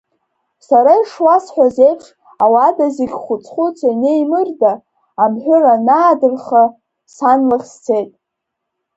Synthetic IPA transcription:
saɾaiʂwasħʷᶣazejpʰʂ | awadaziɡʲχʷʊt͡sʼχʷut͡sʷʰanejmɨrdaː | mħᶣʷʊranaːdɨrχa | sanlɨχʲst͡sʰe̞jtʼ

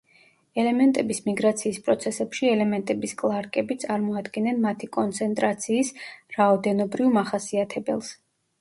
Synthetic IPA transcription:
ɛlɛmɛnt̪ʼɛbismiɡɾat̪sʰiːspʼɾɔt̪sʰɛsɛpʃiɛlɛmɛnt̪ʼɛbiskʼlˠaɾkʼɛbit̪sʼaɾmɔad̪ɡɛnɛnmat̪ʰikʼɔnt̪sʰɛnt̪ʼɾat̪sʰiːsɾaɔd̪ɛnɔbɾivmaχasiat̪ʰɛbɛlˠs

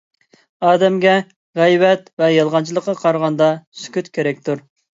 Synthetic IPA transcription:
ɑːd̪ɛmɡʲɛ | ʁɛjvɛt̪vɛjɑlˠʁɑnt͡ʃʰilˠəqːɑqʰɑɾʁɑnd̪ɑsy̥kʲyt̪kʲʰeɾɛk̚ʲt̪ʰuɾ

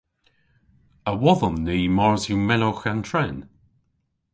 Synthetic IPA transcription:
əwɔðənːiːmɔɹzjumɛnoxantʰɹɛn

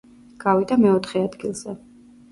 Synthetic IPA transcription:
ɡ̥avid̪amɛɔt̪ʰχɛad̪ɡilˠz̥ɛ

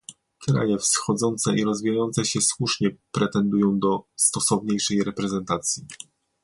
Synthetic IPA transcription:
kɾa̰jɛfsxɔd̪zɔnt̪sɛʔiɾɔzvʲijajɔnt̪sɛɕɛswuʂɲɛpɾɛt̪ɛnd̪ujɔ̃w̃d̪ɔst̪ɔsɔvɲejʂɛjɾɛpɾɛzɛnt̪at̪sʲji

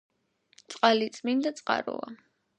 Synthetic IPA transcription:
t̪sʼqʼalit̪sʼmind̪at̪sʼqʼa̰ɾɔ̰a̰

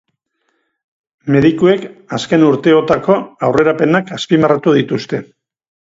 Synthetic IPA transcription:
me̞ðikue̞kaske̞nuɾt̪e̞o̞t̪ako̞awre̞ɾape̞nakaspimarat̪uðit̪ust̪e̞

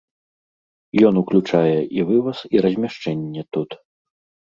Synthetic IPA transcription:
jɔnuklʲut͡ʂajɛʔivɨvɐsiɾɐzʲmʲaʂt͡ʂɛnʲːɛt̪ut̪

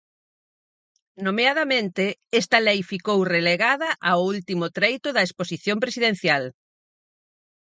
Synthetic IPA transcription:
nomeaðɐmẽnt̪eɛst̪ɐlɛjfikowreleɣaðɐʔaoult̪imʊt̪ɾejt̪ʊðɐesposiθjompɾesiðẽn̟θjal

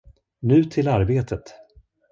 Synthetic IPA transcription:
nʉ̟ːt̪ʰɪlaɾbeːt̪ʰət̪

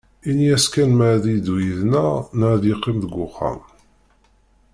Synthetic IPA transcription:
iniæskænməʕðid̪wiðnænəʕðjeqːimðəɡʷːʊχːa̰m

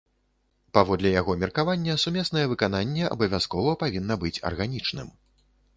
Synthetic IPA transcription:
pavɔd̪lʲɛjaɣɔmʲirkavanʲːɐsumʲɛsnɐjɛvɨkananʲːɛʔɐ̰bɐvʲaskɔvɐpavʲinːɐbɨt͡sʲɐ̰rɣanʲit͡ʂnɨ̰m

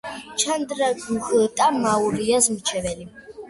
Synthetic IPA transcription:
t͡ʃʰand̪ɾaɡuxət̪ʼamauɾiazmt͡ʃʰɛvɛli

